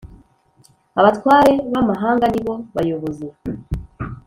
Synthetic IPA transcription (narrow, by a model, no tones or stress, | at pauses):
aβatwaːɾe̞βamaɦaːŋɡaniβo̞βajoβoze